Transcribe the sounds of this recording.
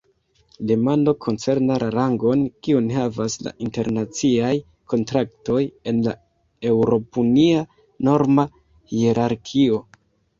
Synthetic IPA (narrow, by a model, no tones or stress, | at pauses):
de̞mando̞kʰo̞nt͡se̞ɾnalaɾaŋɡo̞nkiunhavasla̰ʔinte̞ɾnat͡siaj | kʰo̞ntɾakto̞je̞nla | e̞wɾo̞punia | no̞ɾma | hieɾʔaɾkʰio̞